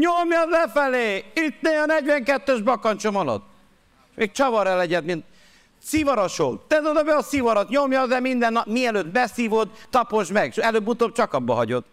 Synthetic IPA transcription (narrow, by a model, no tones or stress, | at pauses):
ɲomjɒzɛfɛleːit̪neːɒnɛɟvʋɛŋkɛt̪ːøʒbɒkɒnt͡ʃomɒlɒ̰t̪ː | meːk̚t͡ʃɒvɒɾɛlɛɟɛd̪mint̪ | sivɒɾoʃolt̪t̪ɛt̪od̪ɒbɛɒsivɒɾɒt̪ɲomjɒzɛmind̪ɛnːɒpmiɛløːt̪bɛsiːvo̞d̪ːɒpo̞ʃmɛɡɛløːbːut̪ob̚t͡ʃɒkɒbːɒ̰ɦɒɟo̞t̪